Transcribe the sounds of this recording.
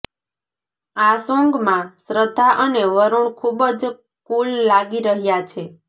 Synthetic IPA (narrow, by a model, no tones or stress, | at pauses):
asõŋɡmãsɾəd̪ʱaʔəneʋəɾuɳkʰubəd͡ʒ | kullaɡiɾəɦjat͡ʃʰe